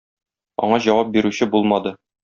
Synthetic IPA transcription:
ɒ̰ɴɑʑɒwɑp̚biɾʉɕɘbulˠmɑd̪ɤ

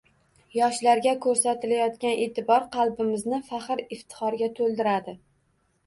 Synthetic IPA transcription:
jɒʃlaɾɡʲakʰɵɾsat̪ɪlajɒt̪kʲanʔe̞t̪ʰɪbɒɾqʰɑlˠbɪmɪznɪfaχɨɾɪft̪ʰɪ̥χɒɾɡʲat̪ʰɵlˠd̪ɪɾad̪ɪ

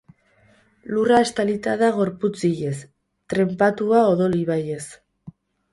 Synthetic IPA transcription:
luraest̪alit̪aðaɣ̞o̞ɾput͡siʎe̞s | t̪ɾe̞mpat̪uao̞ðo̞liβaje̞s

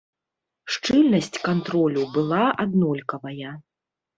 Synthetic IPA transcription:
ʂt͡ʂɨlʲnɐsʲt͡sʲkant̪ɾɔlʲubɨlˠaʔad̪nɔlʲkɐvɐjɐ

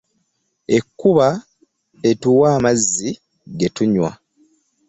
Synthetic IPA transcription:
e̞kːuβa | e̞tuwaːmazːi | ɡetuɲwa̰

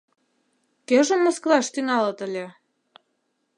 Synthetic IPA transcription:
keʒə̆mːŏsklɑʃt̪yŋɑlɤ̆t̪ə̆lʲĕ

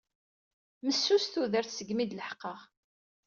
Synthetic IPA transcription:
məsːusθuðəɾθsəɡmid̪ləħqːəʁ

